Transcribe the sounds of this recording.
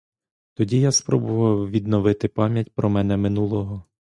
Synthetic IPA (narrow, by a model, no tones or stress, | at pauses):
t̪ɔdʲijaspɾɔbʊʋɐwʋʲid̪nɔʋɪt̪ɪpɑmʲjɐtʲpɾɔmɛnɛmɪnulˠɔɦɔ